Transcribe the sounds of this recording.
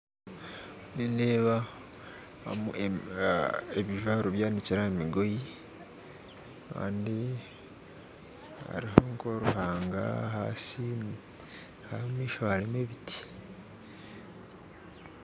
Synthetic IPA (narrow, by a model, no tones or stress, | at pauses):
nindeːβa | mu | eβiʒaɾoβjaːniciɾaemiɡo̞ji | ka̰ːndi | a̰ɾihoŋkoɾuhaːŋɡa̰ha̰si | haomiːʃohalime̞βiti̥